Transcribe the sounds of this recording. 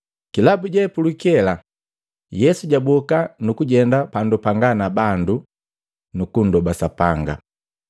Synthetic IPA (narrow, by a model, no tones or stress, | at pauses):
kilabuɟɛpulukɛla | jɛsuɟabɔkanukuɟɛndapandupaŋɡanabandu | nukun̩dɔbasapaŋɡa̰